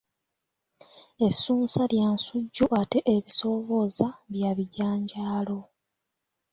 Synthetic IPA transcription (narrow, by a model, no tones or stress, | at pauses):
e̞sːuːnsaljaːnsuɟːuʔate̞ʔeβiso̞βo̞zaβjaβiɟaːɲɟaːlo̞